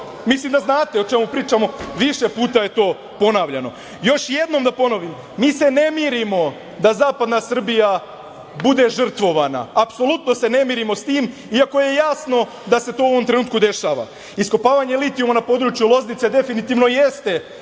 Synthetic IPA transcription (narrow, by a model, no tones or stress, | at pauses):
mislimd̪aznaːt̪e̞o̞t͡ʃe̞mupɾiːt͡ʃamo̞ʋiʃe̞puːt̪aje̞t̪o̞ː | po̞naːʋʎano̞̰ | jo̞ʃje̞d̪no̞md̪apo̞no̞ʋimːiːse̞ne̞miɾimo̞ | d̪azaːpad̪nasr̩bija | bud̪e̞ʒr̩t̪ʋo̞ʋana̰ːpso̞lˠut̪no̞se̞ne̞miːɾimo̞st̪iːm | iako̞je̞jasno̞ | d̪ase̞t̪o̞ːou̞ʋo̞mt̪ɾenuːt̪kud̪e̞ʃaːʋa̰ | isko̞paːʋaɲelit̪iumanapo̞d̪ɾut͡ʃjulˠo̞znit̪se̞d̪e̞finit̪iːʋno̞jest̪e̞